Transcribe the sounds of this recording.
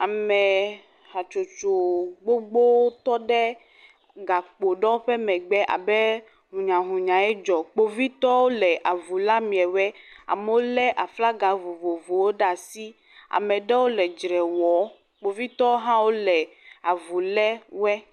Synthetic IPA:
a˨mɛ˨ | ha˨t͡ʃo˨t͡ʃo˨ɡ͡bo˦ɡ͡bo˦wo˦t̪ɔ˦ɖɛ˦ | ɡa˨k͡po˨ɖɔ̃˦ɸɛ˦mɛ̃˨ɡ͡bɛ˦ʔa̰˨bɛ˦ | ɦũ˨ɲã˨ɦũ˨ɲã˨ɛ˦d͡ʒɔ˨k͡po˨vi˦t̪ɔ˦wo˦lɛ˨ʔa˨vu˨la˦mĩ˨ɛ˨wɛ˦a̰˨mɛ˨wo˦lɛ˦ʔa˨fla˦ɡa˨vo˨vo˨vo˨wo˦ɖa˨si˦ | a̰˨mɛ˨ɖɛ˦wo˦lɛ˨d͡ʒɾɛ˨wɔ˨˦ | k͡po˨vi˦t̪ɔ˦o˦ɦã˦wo˦lɛ˨ | a˨vu˨lɛ˦wɛ˦

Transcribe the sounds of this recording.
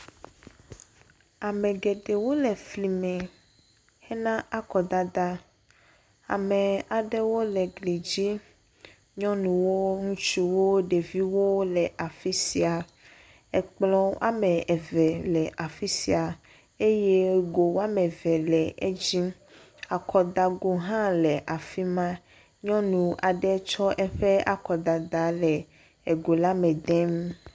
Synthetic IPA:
a˨mɛ̃˨ɡe˨ɖe˨wo˦lɛ˨fli˨mɛ̃˨ | hɛ˦nã˦a˦kɔ˨d̪a˦d̪a˦ | a̰˨me˨a˨ɖe˦wo˦lɛ˨ɡli˨d͡ʑi˦ | ɲɔ̃˦nũ˨wo˦ŋũ˦t͡ʃu˦wo˦ɖe˨vi˦wo˦lɛ˨ʔa˨fi˦si˨a˨ | ɛ˨k͡plɔ̃˦ʔa̰˦mɛ˨ɛ˨vɛ˨lɛ˨ʔa˨fi˦si˨a˨ | e˦je˦ɡo˨wa˦mɛ̃˨vɛ˨lɛ˨e˦d͡ʑi˦ | a˨kʰɔ˨d̪a˨ɡo˨ɦã˦lɛ˨ʔa˨fi˦mã˦ | ɲɔ̃˦nũ˨ʔa˨ɖɛ˦t͡ʃɔ˦ʔɛ˦ɸe˦a˨kɔ˨d̪a˨d̪a˨˦lɛ˨ | ɛ˨ɡo˨la˦mɛ̃˨d̪ɛ̃˦m

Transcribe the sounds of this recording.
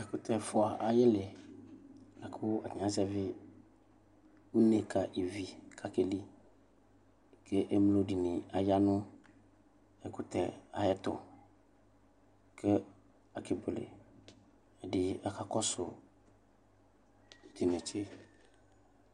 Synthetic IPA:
ɛ˨kʊ˦t̪ʰɛ˨fʊ˨a˨ʔa˨˦jɪ˦lɪ˨ | la˨kʰʊ˦a˨ɲ˨ã˨˦zɛ˦vɪ˦ | u˦ne˨kʰa˨ʔi˨vi˨kʰa˨ke˨li˦ | kʰe˦ʔe˦mlo˨˦di˨nɪ̃˨a˨ja˦nʊ̃˦ | ɛ˦kʊ˦t̪ɛ̰˨a̰˨jɛ˦t̪ʊ̰˨ | kʰɪ˦ | a˨kʰɪ˨bʊ˨lɪ̰˨ | ɛ˨dɪ˨a˨kʰa˨kɔ˦sʊ˨ | t̪i˨nɛ̃˨t͡ʃɪ˦

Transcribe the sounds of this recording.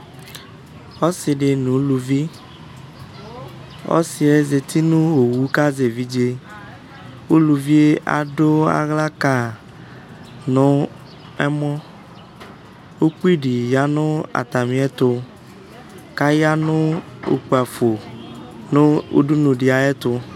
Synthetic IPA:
ɔ˦sɪ˨ɖɪ˨nũ˨˦lu˨vi˦ | ɔ̰˦si˨ɛ˦ze˨t̪ʰi˦nʊ̃˦wo˨wu˦ka˦ze˨vi˦d͡ʒe˦ | wo˦lu˨vi˦e˦ʔa̰˨ɖo˦a̰˨ɣla˦ka˨ | nʊ̃˦ | ɛ˦mɔ̃˦ | o˦k͡pi˦ɖi˨ja˦nʊ̃˦a̰˨t̪a˨mĩ˨˦ɛ˦t̪ʊ˦ | ka˦ja˦nʊ̃˦o̰˨k͡pu˨a˨fo˨ | nʊ̃˦o̰˦ɖu˦nʊ̃˨ɖɪ˨a˨ɛ˦t̪ʊ˨

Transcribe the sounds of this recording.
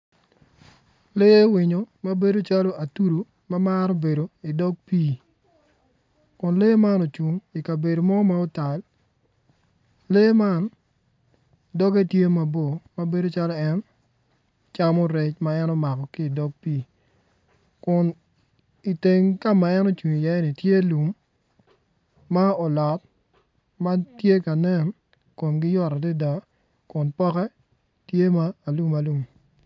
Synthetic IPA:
le˦wɪ˨ɲo˨ma˦be˦do˦t͡ʃa˦lo˦a˨tu˦ɾo˨ | ma˦ma˦ɾɔ˦be˨do˨i˨dɔ˦ɡ̚pi˦ | kʊ˨nle˦ma˦nɔ˨t͡ʃu˨ŋi˨ka˨be˨do˨mɔ˦ma˦ʊ˦ta˨l | le˦ma˦˨n | dɔ˦ɡe˦tje˦ma˨bo˨ma˦be˦do˦t͡ʃa˦lɔ˦ɛ˦n | t͡ʃa˦mɔ˦ɾe˨˦t͡ʃma˦ɛ˦nɔ˦ma˨kɔ˨ki˦˨dɔ˦ɡ̚pi˦˨ | kʊ˨n | i˨te˨ŋka˦ma˨ɛ˦no˦t͡ʃwi˨ɲ˨ja˨˦nɪ˨tje˦lu˨m | a˦ɔ˨lɔ˨t̚ | ma˦tje˦ka˨nɛ˦n | ko˨mɡɪ˦jɔ˦ɾa˨de˦da˨ | kʊ˨npɔ˦kɛ˦ | tje˦maː˦˨lu˦ma˨lu˦m

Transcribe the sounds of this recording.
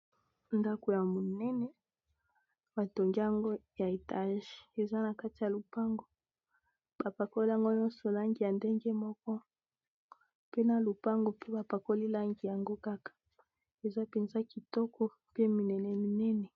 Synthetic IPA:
nda˦ko˨ja˨mo˨nɛ˦nɛ˨ | ba˨to˨ŋɡi˦ja˨ŋɡo˦ja˨e˨ta˦ʒi̥˨e˨za˦na˨ka˦ti˨ja˨lu˨pa˦ŋɡo˨ | b̥a˨pa˨ko˦li˦ja˨ŋɡo˦ɲɔ˦nsɔ˨la˦ŋɡi˨ja˨nde˦ŋɡɛ˦mɔ˦kɔ˦ | pe˦na˨lu˨pa˦ŋɡo˨pe˦ba˨pa˨ko˦li˦la˦ŋɡi˨ja˨ŋɡo˦ka˦kḁ˨ | e˨za˦pɛ˨nza˦ki˨tɔ˦kɔ˦ | pe˦mi˨nɛ˨nɛ˨mi˨nɛ˦nɛ˨

